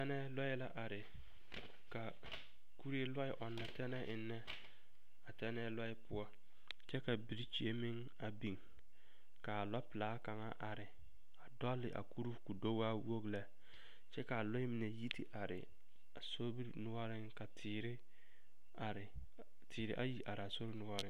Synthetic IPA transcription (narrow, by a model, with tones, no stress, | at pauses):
tɛ˦nɛ˦lɔ˦ɪ˦la˦ʔa˨ɾɪ˨ | ka˨ | ku˦ɾe˦la˦ɪ˨ʔɔ˨nːa˨tɛ˦nɛ˦ʔɪ˨nːɛ˦ | a˨tɛ˦nɛ˦lɔ˦ɪ˦pʊ˦ɔ˦ | t͡ʃɛ˦ka˨bi˨ɾi˦t͡ʃi˦e˦mɪ˦ŋ | a˨bi˨ŋ | ka˨la˦pɪ˨laː˨˦ka˨ŋa̰˦ʔa˨ɾɪ˨ | a˨dɔ˦lːɪ˨ʔa̰˨ku˦ɾu˦ku˨do˦wa˦wo˦ɡlɛ˦ | t͡ʃɛ˦ka˨lɔ˦ɪ˦mɪ˨nɛ˨ji˦ti˦ʔa˨ɾɪ̰˨ | a˨so˦bi˦ɾnʊ˦wɔ˦ɾɪ˦ŋka˨tʰi˨ɾɪ˦˨ | ɾ | tʰiː˨ɾɪ˦ʔa˦ji˨ʔa˨ɾɪ˨a˨so˦ɾɪ˦nʊ˦ɔ˦ɾɪ˦